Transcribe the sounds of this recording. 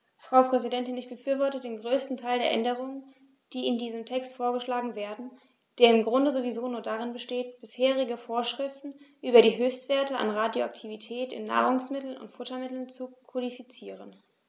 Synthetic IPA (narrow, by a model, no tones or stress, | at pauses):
fʁ̥aʊpʁ̥ɛzidɛntɪnɪçb̥əfyːɐvɔɐtədeːnɡʁøːstn̩tʰaɪldeːɐʔɛ̰ndəʁ̞ʊŋən | d̥iːɪndiːzəmtʰɛkstfoːɐɡəʃlaːɡŋ̩veːɐdn̩ | d̥eːɐɪmɡʁʊndəzovizoːnuːɐdaʁɪnbəʃteːtb̥ɪsheːʁɪɡəfoːɐʃʁ̥ɪftn̩ʔyːbɐɾiːɦøːçstv̥eːɐtəa̰nʁaːdjoaktʰivitʰɛːtɪ̰nːa̰ːʁ̞ʊŋsmɪtl̩nʊ̰ntfʊtɐmɪtl̩nt͡sukʰodifit͡siːʁ̞ən